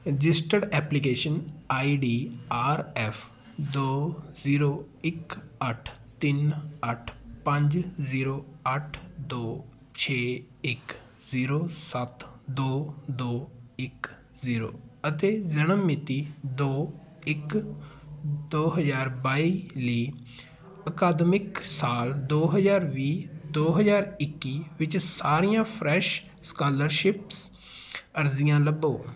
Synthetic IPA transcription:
ɾɪd͡ʒɪsʈəɖɛːplik̬eːʃənaːiɖiːaːɾɛːfʰ | d̪oːziːɾoː | ɪkəʈʰ | t̪ɪnəʈʰpɐ̃ɲd͡ʒziːɾoːɐʈʰd̪oː | t͡ʃʰeː | ɪk | ziːɾoːsɐt̪d̪oːd̪oːɪk | ziːɾo̰ːət̪eːzənəmːɪt̪iːd̪oː | ɪk | d̪oːɦəzaːɾbaːiːliː | əkaːd̪mɪksaːld̪oːɦəzaːɾʋiːd̪oːɦəzaːɾɪkːiːʋɪt͡ʃsaːɾijãːpʰɾɛːʃ | skaːləɾʃɪps | əɾzɪjãːləboː

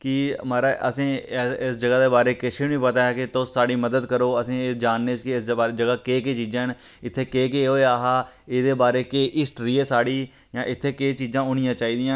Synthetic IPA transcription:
kɪmaːɾaːʔə̰sĩːɪsd͡ʒəɡaːd̪eːbaːɾeːkɪʃʰeːnĩːpət̪aːɦɛːkɪt̪ʊsːaːɽiːməd̪əd̪kəɾoːəsĩːɪd͡ʒaːnːeːt͡ʃkɪɪsːd͡ʒəɡaːkeːkeːt͡ʃiːd͡ʒãːɦn | ɪt̪ʰːeːkeːk̬eːɦoːeaːɦaː | eːd̪eːbaːɾeːkeːʔɪsʈɾiːeːsaːɽiː | jãːʔɪt̪ʰːeːkeːt͡ʃiːzãːʊnɪjãːt͡ʃaːiːd̪ɪjãː

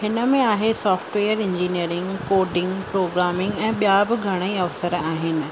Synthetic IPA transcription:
hɪnə̆mẽaːɦesɔːfʈʋeːjəɾɪ̃ɲd͡ʑiːniəɾɪ̃ŋɡkoːɾɖɪ̃ŋɡpɾoːɡɾaːmɪ̃ŋɡɛ̃ːɓijabɪɡʱɐɽ̃əiɐʋsəɾaːɦɪnɪ̆

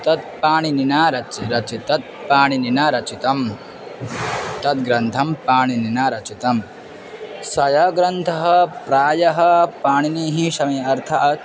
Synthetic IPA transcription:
t̪ɐt̪̚paːɳininaːɾɐt͡ʃiɾɐt͡ʃit̪ɐt̪̚paːɳininɐɾɐt͡ʃit̪ɐm | t̪ɐt̪̚ɡɾɐnt̪ʰɐmpaːɳininaːɾɐt͡ʃit̪ɐm | sɐjɐɡɾɐnt̪ʰɐɦɐpɾaːjɐɦɐpaːɳiniːɦiʃɐmiːɐɾt̪ʰɐʔɐ

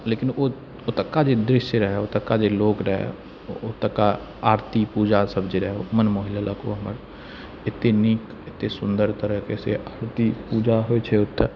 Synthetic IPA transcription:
leːkɪno | ot̪əkːad͡ʒed̪ɾɪʃjəɾəɦɛot̪əkːad͡ʒeloːkɾəɦɛ̰ | ot̪ːəka | aːɾt̪ipuːd͡ʒasəbd͡ʒeɾəɦɛomənmoːɦɪlaləko̰ɦəməɾ | ɪt̪ːenik | ɪt̪ːesʊ̃nd̪əɾt̪əɾəɦkesḛʔaːɾt̪ipuːd͡ʒaɦoet͡ʃʰɛʊt̪ʰː

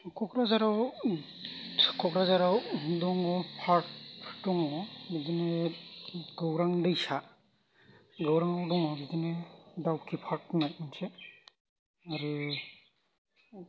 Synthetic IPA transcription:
kʰɔkɾazaɾaw | kʰɔkɾazaɾawdɔŋɔpʰaɾt̚dɔŋɔbidine | ɡawɾaŋdajsa | ɡawɾaŋawdɔŋɔbidinedawkʰipʰaɾk̚najmanse | aɾu

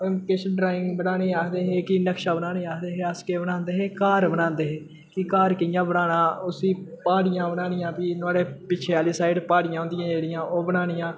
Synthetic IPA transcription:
kɪʃɖɾaːɪ̃ŋɡbənaːneːaːkd̪eːɦeːkɪnəkʃaːbənaːneːaːkd̪eːɦeːəskeːbənãːnd̪eːɦeːkaːɾbənãːnd̪eːɦeː | kɪkaːɾkɪɪjãːbənaːnãːʊsiːpaːɽɪjãːbənaːnɪjãːpiːnʊaːɽeːpɪt͡ʃʰeːaːliːsaːɪɖpaːɽɪjãːõːnd̪ɪjãːd͡ʒeːɽɪjãːʔoːbənaːɽɪjãː

